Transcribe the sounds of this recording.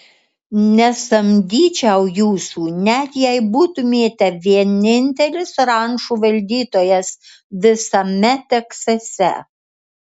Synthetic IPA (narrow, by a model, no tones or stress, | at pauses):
nʲɛsɐmʲd̪ʲiːt͡ʃʲɛʊjuːsuːnʲɛt̪jɛɪbuːt̪ʊmʲeːt̪ʲɛʋʲiɛnʲɪnʲt̪ʲɛlʲɪsɾɐŋʃuːʋɐlʲd̪ʲiːt̪oːjɛs | ʋʲɪsɐmʲɛt̪ʲɛksɐsʲɛ̰